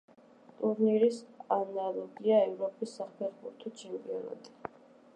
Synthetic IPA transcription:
t̪ʼuɾniɾisanalˠɔɡiaɛvɾɔpʼisːapʰɛɾbuɾt̪ʰɔt͡ʃʰɛmpʼiɔna̰t̪ʼi̥

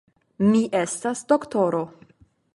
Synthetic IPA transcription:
miʔestasd̪oktoɾo

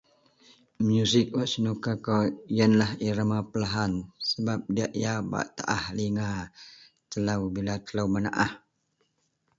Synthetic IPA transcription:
mjusɪk̚waʔsinukakajənlahiɾamapəlaɦansəbap̚diaʔjaba̰ʔt̪a̰ʔahliŋa | t̪əlawbilat̪əlawmana̰ʔah

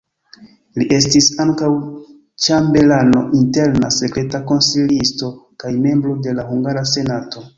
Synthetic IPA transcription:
liʔe̞stisaŋkaw | t͡ʃambe̞lano̞̰ʔinte̞ɾnase̞kɾe̞tako̞nsilisto̞kajme̞mbɾo̞de̞lahuŋɡaɾase̞nato̞

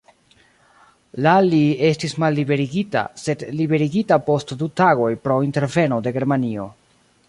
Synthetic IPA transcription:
lalie̞stismalːibe̞ɾiɡita̰se̞dlibe̞ɾiɡitapo̞stdutaɡo̞jpɾo̞inte̞ɾve̞no̞de̞ɡe̞ɾmanio̞̰

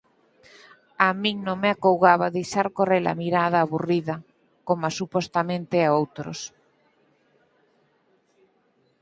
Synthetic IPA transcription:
amĩŋnõŋmeakowɣaβaðejʃaɾkorela̰miɾaðaːβuriðɐ | komasupost̪amẽnt̪eaowt̪ɾo̰s

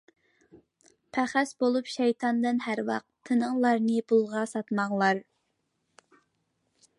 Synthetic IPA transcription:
pʰæχæsbolˠupʃɛjt̪ʰɑnd̪ɨnhæɾwɑ̰q̚t̪ʰːɨnəŋlˠɑɾnɨpʰulˠʁɑsɑt̪mɑŋlˠɑɾ

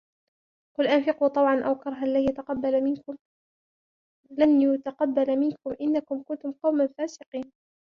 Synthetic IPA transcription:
qʊlʔanfɪquːt̪ˤɑwʕɑnʔawkɑɾˤɦaʔlːajat̪aqɑbːalamɪnkʊm | lanʊt̪aqɑbːalmɪnkʊmʔɪnːakʊmkʊnt̪ʊmqɑwmanfaːsɪqiːn

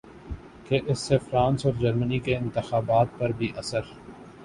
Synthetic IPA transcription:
keʔɪsːefɾãːnsɔːɾd͡ʒɐɾmənikeɪ̃nt̪ɪxaːbaːt̪̚pɐɾbʱiʔɐsəɾ

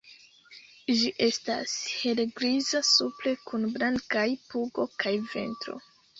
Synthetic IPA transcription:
d͡ʒiʔe̞sta̰she̞lɡɾizasuple̞kʰunblaŋkajpuɡo̞kʰajve̞̰ntɾo̞̰

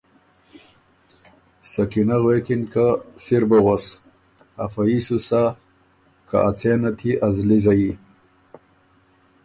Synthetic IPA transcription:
sakinaɣwekinkasiɾbaɣos | afaisusa | ka̰ʔat͡senat̪ʰiʔazlizaji

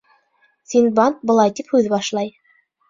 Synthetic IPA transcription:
sinbɑnt̪̚bɤ̆lˠɑjt̪iphʉðbɑʃlˠɑj

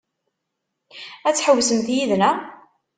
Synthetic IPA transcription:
æt͡sːħəwːsəmθjiðnæ

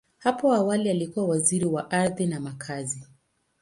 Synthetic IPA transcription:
hapɔawalialikuwawaziɾiwaʔaɾðinamakʰazi

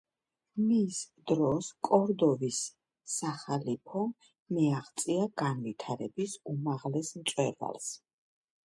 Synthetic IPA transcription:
misd̪ɾɔskʼɔɾd̪ɔvisː | aχalipʰɔ | miaχt̪sʼiaɡanvit̪ʰaɾɛbisumaʁlɛsmt̪sʼwɛva̰lˠs

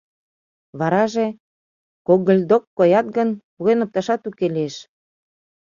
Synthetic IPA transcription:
βɑɾɑʒe | koɡəlʲd̪okːojɑt̪̚ɡənpuɣenop̚t̪ɑʃɑt̪ukelieʃ

